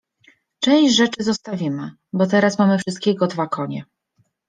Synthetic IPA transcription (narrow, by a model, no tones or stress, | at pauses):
t͡ʂɛ̃w̃ɕd͡ʑʐɛt͡ʂɘzɔst̪avʲimɘ | bɔt̪̬ɛɾasmamɘfʂɨst̪̚kʲeɡɔd̪vakɔɲɛ